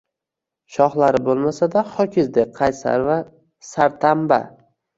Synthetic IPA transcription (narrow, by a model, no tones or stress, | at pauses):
ʃɒχlaɾɪbolˠmasad̪aχɒkʲʰɪzd̪eqʰɑjsa̰ɾva | saɾt̪ʰamba̰